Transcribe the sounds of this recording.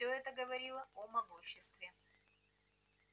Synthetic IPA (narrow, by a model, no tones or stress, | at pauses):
oɛt̪əɡəvɐɾʲilˠəomɐɡuɕːɪst̪vʲɪ